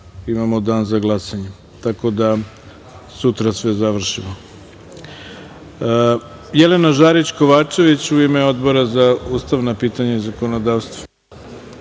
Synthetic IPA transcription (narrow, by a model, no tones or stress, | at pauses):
imamod̪aːnzaɡlˠasaɲe | t̪ako̞d̪a | sut̪ɾasʋe̞zaʋr̩ʃimo | jelenaʒaːɾit͡ɕko̞ʋaːt͡ʂe̞ʋit͡ɕuimeo̞d̪bo̞ɾazauːst̪aʋnapiːt̪aɲauzakonod̪aːʋst̪ʋḁ